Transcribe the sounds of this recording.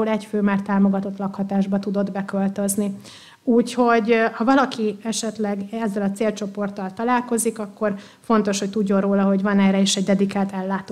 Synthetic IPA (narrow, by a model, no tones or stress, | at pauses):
ulɛcføːmaːrt̪aːmo̞ɡɒt̪o̞t̪lɒkhɒt̪aːʒbɒt̪ud̪o̞d̪bɛkølt̪øzni | uːcho̞ɟhɒvɒlɒkiɛʃɛt̪lɛɡɛzːɛlɒt̪seːlt͡ʃo̞po̞rt̪ːɒlt̪ɒlaːlko̞zikɒkːo̞r | fo̞n̪t̪o̞ʃhocʲt̪uɟːo̞nroːlɒɦo̞ɟvɒnɛːɾɛeːʃɛɟd̪ɛd̪ikaːt̪ɛlːaːt̪o